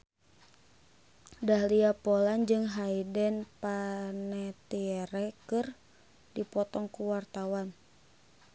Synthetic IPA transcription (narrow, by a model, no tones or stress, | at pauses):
dahliapoland͡ʒɨŋɦaidɛnpanɛt̪iɛɾɛkɨr | dipɔt̪ɔŋkuwart̪awan